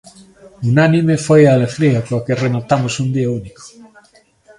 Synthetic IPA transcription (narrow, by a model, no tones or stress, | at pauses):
unanimefojaːleɣɾiakokeremat̪amosund̪iauniko̥